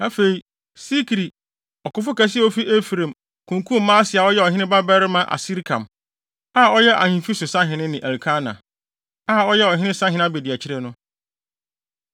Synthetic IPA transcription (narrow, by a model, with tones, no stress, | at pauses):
na˦fe˨i˨ | si˦kʰɾi˨ | ɔ˨kʊ˦fʊ˦kæ˦s̬ɪ˦ɛ˦ɔ˦fi˦ʔe˦fɾẽ˨m | kʰũ˨ŋ˨kʰũ˦m˨˦mãː˦a˦sɪ˨a˨ɔ˦jɛ˦ɔ˨ɦɪ̃˦nɪ̃˦ba˦bɛ˦ɾɪ˦mã˦ʔa̰˨si˦ɾkʰã̰˨m | a˦˨ɔ˦jɛ˦ʔa̰˨hĩ˨fi˦sʊ˨sã˦ɦɪ̃˨nɪ̃˦nɪ̃˨ʔæ˨lkʰa˦nã̰˨ | a˦˨ɔ˦jɛ˦ɔ˨ɦɪ̃˦ɪ̃˦sã˦ɦɪ̃˨n˦a˦be˨di˨æ˨t͡ɕʰɪ˦ɾɛ˦nʊ̃˦